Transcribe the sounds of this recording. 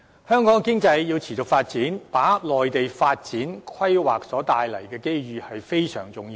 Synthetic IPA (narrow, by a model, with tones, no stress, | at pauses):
hœː˥ŋkɔː˨˥ŋkɪ˥ŋt͡sɐ˧jːiː˧wt͡sʰiː˨˩t͡ʃʊ˨k̚faː˧t̚t͡siː˨˥npaː˨˥lɔː˨jt̪e˨jfaː˧t̚t͡siː˨˥nkʰwɐ˥jwaː˨k̚sɔː˨˥t̪aː˨jlɐ˨˩jkɛː˧ke˥jɥyː˨hɐ˨jfe˥jsœ̰ː˨˩ŋt͡sʊ˨ŋjiː˧w